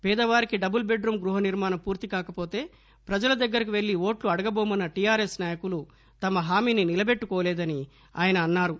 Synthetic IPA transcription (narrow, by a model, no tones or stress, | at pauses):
pɛːd̪ɐʋaːɾikiɖɐbulbe̞ɖɾumɡɾuɦɐniɾmaːnɐmpuːɾt̪ikaːkɐpo̞ːt̪e̞ː | pɾɐd͡ʒɐlɐd̪ɐɡːɐɾik̬iʋe̞ɭːio̞ːʈluɐɽɐɡɐboːmɐnːɐʈijaːɾesnaːjɐkulu | t̪ɐmɐɦaːmiːninilɐbe̞ʈːukoːlɛːd̪ɐni | a̰ːjɐnɐːnːaːɾu